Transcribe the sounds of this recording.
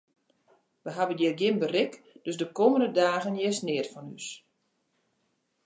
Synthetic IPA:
ʋəɦabənjɪrɡjɪnbərɪk | d̥øsdəkoːməndədaːɣənjɛsnɪətfɔnys

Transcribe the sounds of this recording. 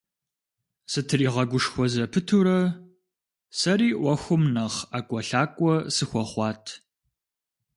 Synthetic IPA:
sɨtʰɨriːʁɐɡʷʊʂxʷɔzɐpʰɨtʰuːɾɐ | sɐɾiːʔʷɔxʷʊmnɐχaːkʷʼɔɬaːkʷʼɔsɨxʷɔχʷɑːtʰ

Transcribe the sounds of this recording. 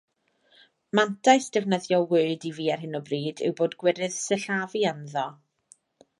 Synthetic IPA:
mantʰajsd̥ɛvnəðjɔwɨɨdiviːarɦɪnɔbriːdɪ̰wboːdɡwɪɾɨð̥səɬavianðɔ

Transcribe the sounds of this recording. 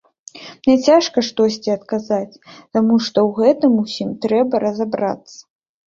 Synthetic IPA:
mnʲɛt͡sʲaʂkɐʂt̪ɔsʲt͡sʲiɐt̪kazat͡sʲt̪amuʂt̪ɔwɣɛt̪ɨmusʲimt̪ɾɛbɐɾɐzabɾa̰t̪sːɐ̥

